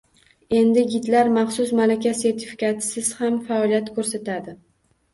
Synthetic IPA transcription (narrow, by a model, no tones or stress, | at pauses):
e̞nd̪ɪɡʲɪt̪laɾmɑχsʊsmalakʲase̞ɾt̪ʰɪfi̥kʲʰat̪ʰɪ̥sɪz̥hamfaɒlˠijat̪kʰɵɾsat̪ʰad̪ɪ